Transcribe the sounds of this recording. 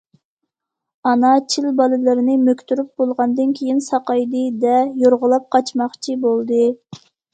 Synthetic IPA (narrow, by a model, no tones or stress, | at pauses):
ɑnɑt͡ʃʰilbɑlˠɨlɨɾɪnɪmøkʲt̪ʰyɾyp̚bolˠʁɑnd̪ɨnkʲʰejinsɑqɑjd̪ɨd̪ɛjoɾʁʊlˠɑp̚qʰɑt͡ʃmɑχt͡ʃʰibolˠd̪ɨ